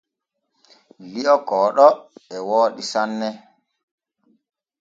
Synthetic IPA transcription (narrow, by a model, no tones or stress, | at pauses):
liɔkɔːɗɔɛwoːɗisanːɛ